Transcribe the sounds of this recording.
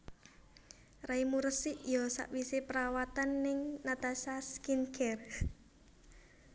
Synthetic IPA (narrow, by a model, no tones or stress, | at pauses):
raimuɾəsiʔjɔsa̰ʔwisepəɾawat̪anːɪŋnat̪asaskinɡɛr